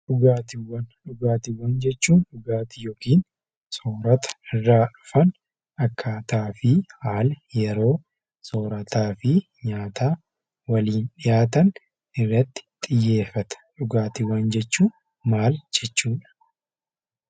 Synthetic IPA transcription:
ᶑʊɡaːt̪ɪwːɐnᶑʊɡaːt̪ɪwːɐnd͡ʒɛt͡ʃːuːnᶑʊɡaːt̪ɪjoːkiːn | so̞ːɾɐt̪ɐ̥ɪrːaːᶑʊfɐn | ʔɐkʰːaːt̪aːfɪhaːljɛɾo̞ː | soːɾɐt̪aːfɪ | ɲaːt̪aː | wɐliːnᶑɪjaːt̪ɐn | ɪrːɐt̪ːɪ̥t̪ʼɪjːe̞ːfːɐt̪ɐ̥ᶑʊɡaːt̪ɪwːɐnd͡ʒɛt͡ʃːuː | maːld͡ʒɛt͡ʃːuːᶑɐ̥

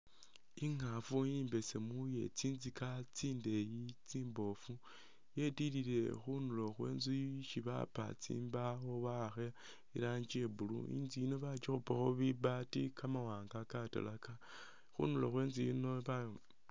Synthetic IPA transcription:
iŋafujiːmbe̞semuje̞̰t͡siːnzikat͡siːnde̞jit͡siːmbo̞fu | je̞tilile̞xunulo̞xwe̞̰ːnzuʃiβa̰pa̰t͡sḭːmbaxoβaxe | iɾaːɲd͡ʒie̞βulṵḭːnzijino̞βat͡ʃixupaxoβiβatikʰamawaːŋɡakata̰laka | xṵnuloxweːnzijino̞βa

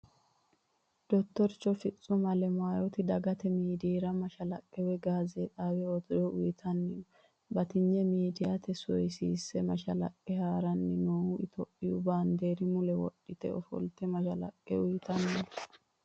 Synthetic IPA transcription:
d̪̥ɔt̪ːɔɾt͡ʃːɔfɪt͡sʼːʊmɐlɛmaːjɔt̪ɪd̪ɐɡɐt̪ɛmiːd̪iːɾɐmɐʃɐlɐkʼːɛwɛɡaːzɛt̪ʼaːwɛwɔt̪ɔʊjɪt̪ʰɐnːɪnɔ | bɐt̪ɪɲːɛmiːd̪ɪjat̪ɛsɔjsiːsːɛmɐʃɐlɐ̰kʼːɛhaːɾɐnːɪnoːhʊʔɪt̪ʰɔpʼːɪjʊbaːnd̪eːɾɪmʊlɛwɔ̰ɗːɪt̪ɛ̰ɔfɔ̰lt̪ɛmɐʃɐlɐ̰kʼːɛʊjɪt̪ɐnːɪnɔ

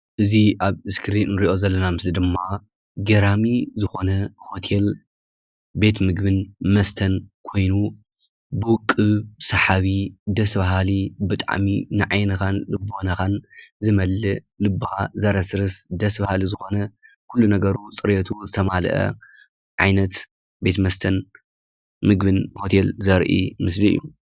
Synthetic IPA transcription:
ʔɨziʔaβɨskʰɨɾinnɾiʔo̞zɐlːɐnamɨslid̪ɨmːa | ɡɐɾamizɨxo̞nɐho̞t̪ʰe̞l | be̞t̪mɨɡbɨnmɐst̪ʰɐnkʰo̞jnu | bɨkʼːɨβsɐħaβid̪ɐsβaɦalibɨt̪ʼa̰ʕminɨʕajnɐxanlɨbonɐxanzɨmɐlːɨ | lɨbːɨhazɐɾɐsɾɨsd̪ɐsbahalizɨxo̞nɐ | kʰulːunɐɡɐɾut͡sʼɨɾjɐt̪ʰuzɨt̪ʰɐmal̰ʔɐ̰ | ʕajnɐt̪ | be̞t̪mɐst̪ʰɐn | mɨɡbɨnho̞t̪ʰelzɐɾʔḭmɨsliɨ̰jːu

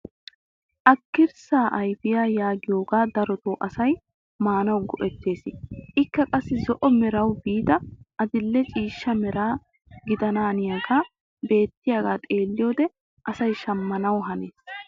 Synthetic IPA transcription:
ʔɐkːɪɾsaːʔɐjfɪjaːjaːɡɪjo̞ːɡaːd̪ɐɾɔt̪oːʔɐsɐj | maːnɐwɡɔʔɛt̪ːe̞ːsɪʔɪkːɐkʼɐsːɪzɔʔɔmɛɾɐwbiːd̪ɐʔɐd̪ɪlːɛt͡ʃʼiːʃːɐmɛɾaː | ɡɪd̪ɐnaːnɪjaːɡaː | be̞ːt̪ːɪjaːɡaːt̪ʼe̞ːlːɪjoːd̪ɛ | ʔɐsɐjʃɐmːɐnɐwɦɐneːs

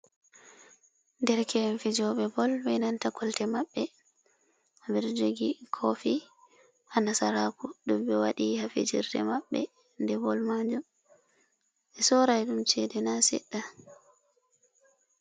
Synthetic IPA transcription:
ndɛɾkʰɛnfid͡ʒɔɓɛbɔlbɛjnantakʰɔltɛmaɓːɛ | abɛɾd͡ʒoɡikʰofi | ʔanasaɾakuɗumbɛwaɗihafḭd͡ʒiɾdɛ̰maɓːɛ̰ | ndɛbɔlmad͡ʒɔm | ɛsɔɾajɗumt͡ʃɛdɛnasɛ̰ɗːa

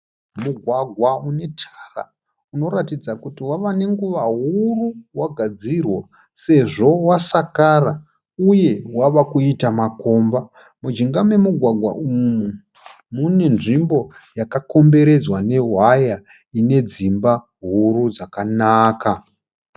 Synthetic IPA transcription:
muɡʱwaɡʱwaune̞tʰara̰ | uno̞ɾatid͡zakutiwaʋane̞ŋɡuʋaɦuruwaɡʱad͡zirwa | se̞ʐo̞wasakara | uje̞waʋakuitamako̞mba | mud͡ʒiŋɡamwe̞muɡʱwaɡʱwa̰umu | mune̞nʐimbo̞jakako̞mbe̞ɾe̞d͡zwane̞ɦwaja | ine̞d͡zimba | ɦuɾud͡zakanaːka

